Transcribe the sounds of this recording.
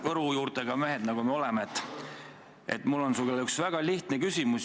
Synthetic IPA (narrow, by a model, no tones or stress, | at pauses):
vɤɾujuːrt̪e̞ɡɑmeɦed̪̥nɑɡ̥umeo̞lemeet̪ːˑ | ḛt̪ːmulːo̞nsukelyksvæɡ̥ɑliht̪nekysʲimus